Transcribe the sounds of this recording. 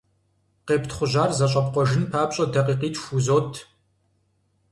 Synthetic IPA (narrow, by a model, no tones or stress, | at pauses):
qeːptχʷʊʑaːrzɐɕʼɐpqʷɔʒɪnpʰaːpɕʼɐdɐqiːqiːt͡ʃʰʼxuzoːtʰ